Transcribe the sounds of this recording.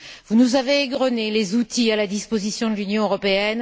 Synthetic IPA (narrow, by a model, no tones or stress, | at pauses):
vunuzaveːɡʁɔnelezut̪ialad̪ispozisjɔ̃d̪əlynjɔ̃øʁɔpeɛn